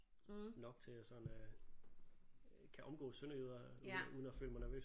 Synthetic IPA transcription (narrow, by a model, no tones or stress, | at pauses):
nɒ̽ɡ̥t͡sʰe̝æsɒ̽nø | kʰæʔɒ̽mɡ̥ɔ̰ːsønɐyðˠɐuð̞ˠn̩ɒfø̰ːləmɑnæɐʋø̰ː